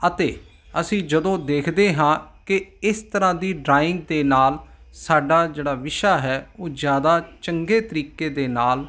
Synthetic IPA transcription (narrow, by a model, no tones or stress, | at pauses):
ət̪eː | əsĩːd͡ʒəd̪õːd̪eːkʰd̪eːɦãːkɪɪst̪əɾãːd̪iːɖɾaːɪ̃ŋɡ̚d̪eːnaːl | saːɖaːd͡ʒeːɽaːʋɪʃaːɦɛːoːd͡ʒjaːd̪aːt͡ʃəŋɡeːt̪əɾiːkeːd̪eːnaːl